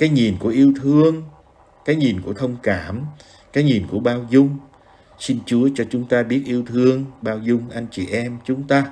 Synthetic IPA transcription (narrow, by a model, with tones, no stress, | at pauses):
kaː˨˦jɲi˨˩nku˧˩əʔi˧əwt̪ʰɨ˧əŋ | kaː˨˦jɲi˨˩nku˧˩ət̪ʰə˧wŋ͡mkaː˧˩m | kaː˨˦jɲi˨˩nku˧˩əɓaː˧wzʊ˧ŋ͡m | si˧nt͡ɕu˨˦ət͡ɕɔ˧t͡ɕʊ˨˦ŋ͡mt̪aː˧ɓi˦˥ət̚ʔi˧əwt̪ʰɨ˧əŋɓaː˧wzʊ˧ŋ͡mʔa˧jŋ̟t͡ɕḭ˨˩ʔɛ˧mt͡ɕʊ˨˦ŋ͡mt̪aː˧